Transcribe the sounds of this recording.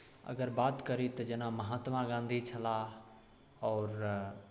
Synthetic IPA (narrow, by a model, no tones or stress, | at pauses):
ə̰ɡəɾbaːt̪kəɾit̪əd͡ʒenaməɦat̪mãɡãnd̪ʱit͡ʃʰəla | ɔːɾ